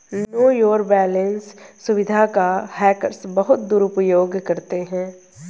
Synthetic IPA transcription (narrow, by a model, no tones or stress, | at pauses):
nnoːjoːɾbɛːlə̃nsːʊʋɪd̪ʱakahɛːkəɾsbəɦʊt̪̚d̪uːɾʊpjoːɡkɐɾt̪eɦɛ̃ː